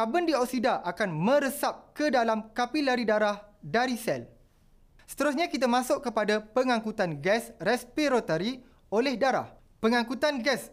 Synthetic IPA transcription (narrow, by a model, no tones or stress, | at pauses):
kabəndiɔksidaʔakanmə̃ɾəsap̚kədalamkapilaɾidaɾahdaɾisɛl | sə̥t̪əɾʊs̬ɲãkit̪̬amãsʊʔkːəpadapəŋãŋkut̪anɡɛsɾɛspiɾot̪əɾi | olɛhdaɾa̰h | pəŋãkut̪anɡɛs